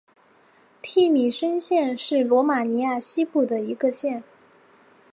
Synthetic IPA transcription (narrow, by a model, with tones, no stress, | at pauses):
t̪ʰi˥˩mi˨˩ʂə˥nɕjɛ˥˧nʂɻ̩˥˩lwɔ˧˥ma˨˩ni˧˥ja˥˩ɕi˥pu˥˩d̪ə˩i˧˥ɡə˧ɕjɛ˥˩n